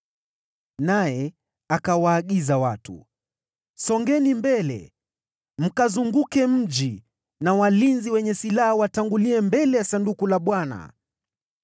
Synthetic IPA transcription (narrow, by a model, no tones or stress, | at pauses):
najɛ | akawaːɠizawatṵ | sɔŋɡɛnimbɛlɛ̰ | m̩kazuŋɡukɛm̩ʄi | nawalinziwɛɲɛsilahawataŋɡuliɛmbɛlɛjasandukulaɓwana̰